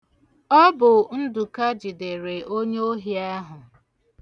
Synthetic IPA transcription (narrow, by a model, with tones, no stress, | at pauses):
ɔ˦bʊ˨n̩˦du˨ka˦d͡ʒi˨de˨ɾe˨ʔo˦ɲe˦o˦ɦi˨a˦ɦʊ˨